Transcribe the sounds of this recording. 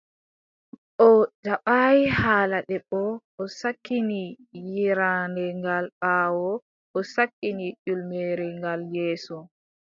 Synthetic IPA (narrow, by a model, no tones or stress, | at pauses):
ɔd͡ʒaɓajihaːlaɗɛɓɔʔɔsakːini | jiɾaːndɛŋɡalɓaːwɔ | ʔɔsakːinid͡ʒulmeɾɛŋɡaljɛːsɔ